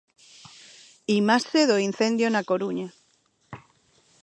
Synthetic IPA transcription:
imaseðoin̟θẽnd̪jonakoɾuɲa

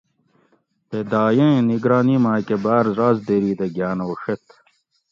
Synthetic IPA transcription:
t̪ed̪aːjẽniɡɾaːnimãːkebaːɾzaːzd̪eɾiːd̪eɡjaːnɐoʂet̪

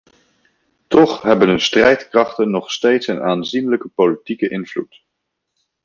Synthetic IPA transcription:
tɔχɦɛbənnstrɛjtkrɑχtənːɔχstejtsənaːnzinləkəpowlitikəʔɪnvlṵt

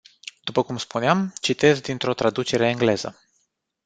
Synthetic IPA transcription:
d̪̥upəkumspuneamt͡ʃit̪e̞zd̪int̪ɾo̞t̪ɾad̪ut͡ʃe̞ɾe̞eŋɡle̞zə̰

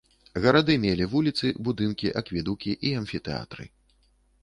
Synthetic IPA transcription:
ɣɐɾad̪ɨmʲelʲivulʲit̪sɨbud̪ɨnkʲiʔɐkvʲid̪ukʲiʔiɐnfʲit̪ɛa̰t̪ɾɨ̰

